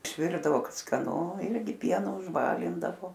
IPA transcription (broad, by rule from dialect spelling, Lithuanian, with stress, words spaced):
ɪʃʲˈʋʲɪrdɐʋoː ˈkɐt skɐˈnʊ ˈɪrʲɡʲɪ ˈpʲiɛnʊ ʊʒˈbɑːlʲɪndɐʋoː